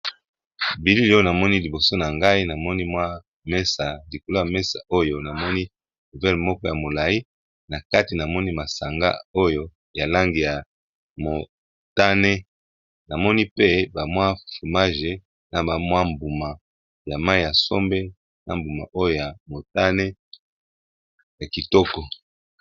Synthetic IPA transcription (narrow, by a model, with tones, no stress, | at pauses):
bi˨li˦li˦o˦o˦na˨mɔ˦ni˦li˨bo˨so˦na˨ŋɡa˦i˦na˨mɔ˦ni˦mwa˦ | mɛ˦sa˨li˨ko˨lo˦ja˨mɛ˦sa̰˨o˦jo˦na˨mɔ˦ni˦ | nu˨vɛ˦lmɔ˦kɔ˦ja˨mo˨la˨i˦ | na˨ka˦ti˨na˨mɔ˦ni˦ma˨sa˨ŋɡa̰˦o˦jo˦ | ja˨la˦ŋɡi˨ja˨ | mo˨ | ta˦ne˦ | na˨mɔ˦ni˦pe˦ba˨mwa˦fu˨ma˦ʒe˨ | na˨ba˨mwa˦mbu˨ma˨ | ja˨ma˦i˦ja˨so˦mbe˦ | na˨mbu˨ma̰˨ʔo˦jo˦˨ja˨mo˨ta˦ne˦ | ja˨ki˨tɔ˦kɔ˨